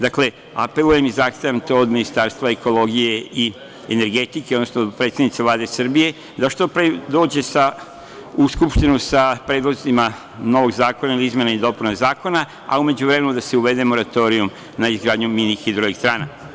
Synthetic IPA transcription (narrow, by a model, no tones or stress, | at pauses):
d̪akle̞ | a̰pelˠuje̞mizaːxst̪ajanut̪ood̪minist̪aɾst̪ʋaeko̞lo̞ɡije̞i | ene̞ɾɡe̞t̪ikeod̪nosnood̪pɾet̪st̪ed̪nit̪selaːd̪esrbije̞ | d̪aʃt̪o̞pɾed̪o̞ːd͡ʑe̞sa | uskupʃt̪inusapɾeːd̪lozima | no̞ʋo̞ɡzaːko̞nailiizmje̞naid̪o̞punazaːko̞na | a̰ume̞d͡ʑuʋɾemenud̪ase̞uʋe̞d̪e̞mo̞ɾat̪o̞ɾijum | naizɡɾaːd̪ɲuminixid̪ɾoikst̪ɾaːna